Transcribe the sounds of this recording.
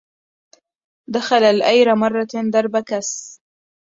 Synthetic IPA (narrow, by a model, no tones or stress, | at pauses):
d̪axalalʔajɾamɑrˤːɑd̪ɑɾˤbakas